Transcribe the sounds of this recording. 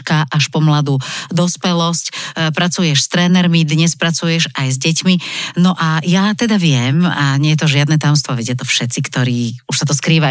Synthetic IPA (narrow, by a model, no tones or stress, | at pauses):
kaʔaʃpɔmlad̪ud̪ɔspɛlɔscpɾat͡sujɛʃst̪ɾɛːnɛɾmid̪ɲɛspɾat͡sujɛʒajzɟɛcminɔʔajat̪ɛd̪aʋɪɛmaɲɛjɛt̪ɔʒɪad̪nɛt̪ajɔmst̪ʋɔʋɛɟɪjat̪ɔfʃɛt̪t͡sikt̪ɔɾiːuʃsat̪ɔskɾiːʋa